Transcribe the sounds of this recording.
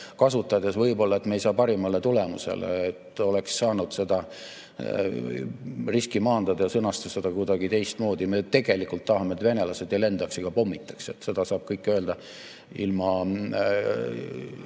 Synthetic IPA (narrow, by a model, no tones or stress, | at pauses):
kɑsut̪ːˑɑjd̪̥esvɤjbo̞lːɑe̞t̪ːmejsɑːpɑɾimɑle̞t̪ule̞mṵse̞̰lḛet̪ːˑo̞leksːɑːnud̪̥se̞d̪̥ɑ | riskimɑːnd̪̥ɑd̪ɑjɑsɤnɑst̪ɑsed̪̥ɑkujd̪̥ɑɡ̥it̪e̞jst̪mo̞ːd̪ime̞t̪e̞ɡ̥e̞likult̪ːɑhɑmet̪ve̞ne̞lɑse̞d̪̥jɑle̞nd̪̥ɑksiɡ̥ɑpo̞mːit̪ˑːɑ̥kset̪ːse̞d̪ɑsɑːb̥kɤjkːˑøːld̪ɑ | ḭlmɑ